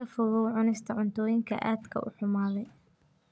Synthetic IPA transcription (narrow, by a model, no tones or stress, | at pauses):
ɐfʊɣʊʕʊnɛst̪ʰɐʕʊnt̪ʰɔːjɪŋkʰɐ̰ʔaːd̪kʰɐ̰ʊ̰ħʊmaːðɛj